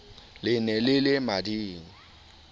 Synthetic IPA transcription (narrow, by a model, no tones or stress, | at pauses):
lɪnɛlɪlɪmadiːŋ̩